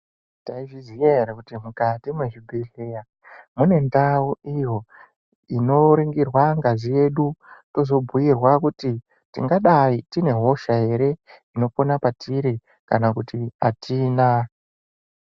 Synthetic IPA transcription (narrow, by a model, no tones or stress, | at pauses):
taiʐizijeɾakutimukatimweʐibʱiɮija | mune̞ndauijo̞ | ino̞ɾiŋɡirwaŋɡaʐije̞ɗuto̞zo̞bʱuirwakuti | tḭŋɡaɗaitine̞ɦo̞ʃae̞ɾe̞ino̞ponapatʰiɾi | kanakutiatʰiːna